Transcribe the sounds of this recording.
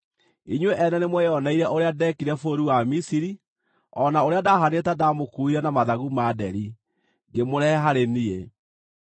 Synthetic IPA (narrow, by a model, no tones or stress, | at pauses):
iɲweʔɛnɛnemwɛjɔnaiɾɛʔoɾeadɛkiɾɛfoɾuwamisiɾi | ɔnaoɾeadaɦanetadamokuiɾɛnamaðaɣumadɛɾi | ɡemoɾɛɦaɾenie